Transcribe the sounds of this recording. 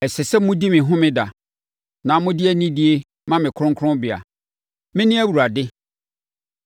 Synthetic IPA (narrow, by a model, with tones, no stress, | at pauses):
ɛ˨sɛ˨sɛ˦mʊ̃˦di˦mɪ̃˨ɦʊ̃˦mɪ̃˦da˨ | nã˨mʊ̃˦dɪ˦æ˨nĩ˦di˨˦e˦ | mã˦mɪ̃˨kʰɾʊ̃˦ŋkʰʊ̃˦bɪ˨a̰˨ | mɪ̃˦nɪ̃˦æ˦wu˨ɾa˨dɪ˦